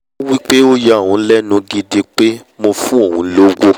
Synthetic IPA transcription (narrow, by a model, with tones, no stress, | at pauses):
o˦wi˦k͡pe˦o˦ja˦˨ũ˨˦lɛ˦nũ˧ɡi˧di˧k͡pe˦mo˧fũ˦o˦˨ɦũ˨˦lo˦ɡʷo˦